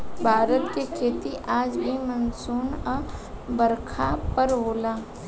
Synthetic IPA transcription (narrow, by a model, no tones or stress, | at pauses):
bʱaːɾət̪kekʰeːt̪iʔaːd͡ʒbʱimənsuːnɔbəɾkʰapəɾɦoːlaː